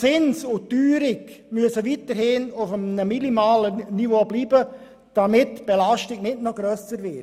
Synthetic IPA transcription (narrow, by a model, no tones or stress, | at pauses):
t͡sɪnsʊtyːɾɪk | myəsəvitəɾhɪnʊfənəminimaːlənivoːbliːbə | d̥amɪtːb̥ɛlaʃtɪɡ̥nɪtnɔɡ̥ɾœsəɾvɪ